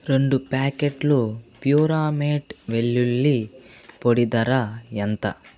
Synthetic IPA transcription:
ɾeɳɖupaːkeʈlupjuːɾaːmeːʈʋeɭːulːipoɽid̪ɐɾaɐnt̪ɐ̰

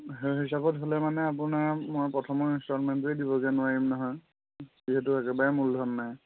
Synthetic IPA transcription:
ɦɦisabɔtɦolɛmanɛapunaɹmoɹpɹɔtʰɔmɔɹinstɔnmɛntʊedibɔɡɛnʊaɹimnɔɦɔj | ziɦɛtʊɛkɛbaɹɛmuldʱɔnːaj

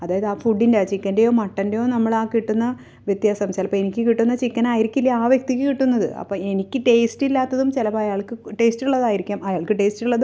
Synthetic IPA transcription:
ɐðaːjɐðɨaːfuɖːindeaːt͡ɕikːɐndejo̞ːmɐʈːɐndejo̞ːnɐmːɐɭaːkiʈːunːɐ | ʋjet̪jaːsɐmselɐpːɐːenikʲːɨkiʈːunːɐt͡ɕikːɐnaːjiɾikʲːilːɐaːʋjek̚t̪ikʲːɨkiʈːunːɐðɨ̰ɐ̰pːoːe̞nikʲːɨʈe̞ːsʈilːaːt̪ːɐðumt͡ɕilɐpɐːɐjaːɭkɨʈe̞ːstuɭːɐðaːjiɾikʲːaːmɐjaːɭkɨʈe̞ːsʈuɭːɐðu

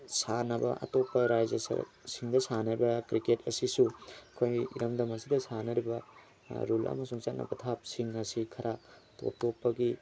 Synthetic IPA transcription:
sanɐbɐ̰ɐ̰topːɐɾajd͡ʒesɐ̰ɾsiŋdɐsanɐɾibɐkɾiketɐsisuɐkʰojḭɾɐmdɐmɐsidɐsanɐɾibɐ | ɾulɐ̰mɐsuŋt͡ʃat̚nɐ̰bɐtʰap̚siŋɐsikʰɐɾʔato̰p̚topːɐɡi

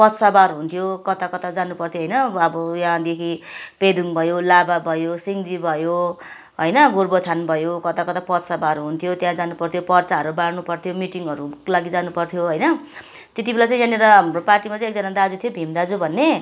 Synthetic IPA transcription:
pʌt̪sabaɾɦunt̪ʰijokʌt̪akʌt̪ad͡zanupʌrt̪ʰjoɦʌjnʌʌbʌjɦãd̪ekʰiped̪ʱuŋbʱʌjolababʱʌjosiŋd͡zibʱʌjo | ɦojnʌɡurbot̪ʰanbʱʌjokʌt̪akʌt̪apʌt̪sabaɾuɦunt̪ʰjot̪jãd͡zanupʌrt̪ʰjopʌrt͡saʌɾubaɽnupʌrt̪ʰjomiʈiŋʌɾulaɡid͡zanupʌrt̪ʰjoɦʌjnʌ | t̪et̪̬ibʱelat͡sʌ̃j̃jãneɾʌmoparʈimat͡sʌ̃ĩek̚d͡zʌnad̪ad͡zut̪ʰijobʱimd̪ad͡zubʱʌnːe

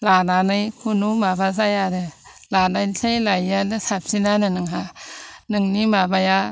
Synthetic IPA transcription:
lananɯjkʰunumabazajaɾɯ | lanajntʰejlajanɯsap̚sinanɯnɯŋɦanɯŋnimabaja

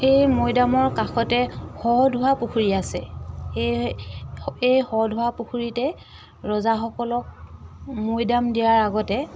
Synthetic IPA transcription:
ejmojdamɔɹkaxʰɔtɛxɔdʱʊwapuxuɹiasɛ̰e | ejxɔdʱʊwapuxuɹitɛ | ɹɔzaxɔkɔlɔk̚mojdamdijaɹaɡɔtɛ

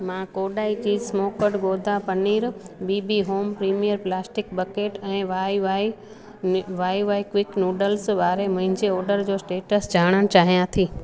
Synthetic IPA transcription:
mãkoːɗaːit͡ɕiːsmoːkəɽɡoːd̪ʱapɐniːɾ | biːbiɦoːmpɾiːmijəɾplaːsʈɪk̚bəkeːʈɛ̃ːʋaːiʋi | ʋaːiʋaːikʋɪknoːɖəlsʋaːɾemɐ̃ɦɪ̃ɲd͡ʑeɔːɾɖəɾd͡ʑoːsʈeːʈəsd͡ʑʱaːɽ̃əɽ̃t͡ɕaːɦijãt̪ʰiː

